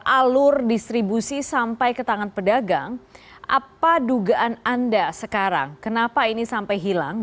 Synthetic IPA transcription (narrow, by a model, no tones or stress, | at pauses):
ʔalʊrdist̪ɾibusisampajkət̪aŋanpədaɡaŋ | ʔa̰paduɡaʔanandasəkaɾa̰ŋkənapainisampajɦila̰ŋ